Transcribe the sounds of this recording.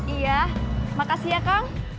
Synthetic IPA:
ijamakasiakaŋ

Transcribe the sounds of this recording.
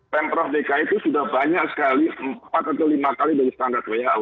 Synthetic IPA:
pɛmpɾɔhdekait̪usudahbaɲaksə̥kaliəmpat̪̚at̪awlimakalidaɾist̪andart̪̚wejal

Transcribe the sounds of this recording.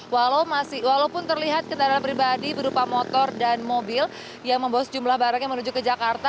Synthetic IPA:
walaumasɪwalaupʊnt̪ərliɦat̪̚kəndaɾapɾibadibəɾupamɔt̪ɔrdanmobɪl | jaŋməmbawasəd͡ʒumlahbaɾaŋjaŋmənuɲd͡ʒʊkːəd͡ʒakart̪a

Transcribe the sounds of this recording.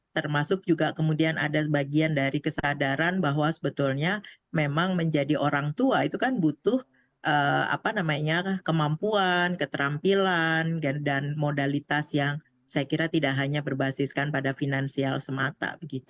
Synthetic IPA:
t̪ərmasʊk̚d͡ʒuɡakəmudiana̰dabaɡiandaɾikəsadaɾanbaɦwasəbət̪ʊlɲamemaŋməɲd͡ʒadiʔoɾaŋt̪uait̪ukanbut̪ʊh | ʔəːa̰panamaɲakəmampuankət̪əɾampilanɡadanmodalit̪asjaŋ | sajakiɾat̪idaʔɦaɲabərbasɪskanpadafinansialsəmat̪a̰bəɡit̪u

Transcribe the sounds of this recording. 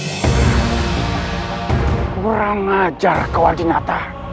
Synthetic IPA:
uɾaŋːad͡ʒarkəwaldinat̪a

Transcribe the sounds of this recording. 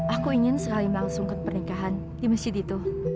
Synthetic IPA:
ʔakuiŋɪnsəkalimlaŋsʊŋkəpərnikaɦan | diməsɪd̪it̪ʊh

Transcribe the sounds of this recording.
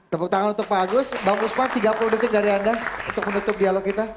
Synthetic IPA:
t̪əpək̚t̪aŋʊnunt̪ʊk̚baɡʊsbaŋɡʊsmat̪iɡapulʊdət̪ɪk̚daɾiandaṵnt̪ʊk̚mənut̪ʊp̚dialokkit̪a

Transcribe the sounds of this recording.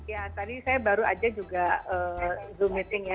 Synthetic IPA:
jat̪adisajabaɾua̰d͡ʒad͡ʒuɡaəːzumit̪ɪŋja

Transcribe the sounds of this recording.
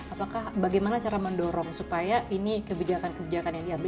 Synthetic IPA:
apakahbaɡajmanat͡ʃaɾaməndɔɾɔŋsupajaʔinikəbid͡ʒakankəbid͡ʒakanjaŋdiɦamb

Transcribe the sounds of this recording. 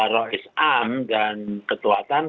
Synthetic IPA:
ɾɔisamdankət̪uat̪an

